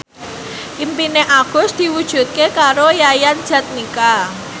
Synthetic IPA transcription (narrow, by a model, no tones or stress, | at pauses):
ʔimpineʔaɡ̥ʊ̤sd̪̥i̤wud̥ʒ̥ṳt̪̚kekaɾojajand̥ʒ̥ä̤t̪̚nika